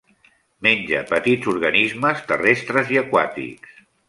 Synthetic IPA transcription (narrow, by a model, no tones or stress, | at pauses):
menʲd͡ʒə̰pət̪idzuɾɣənizməst̪ərest̪ɾəziəkwat̪ḭks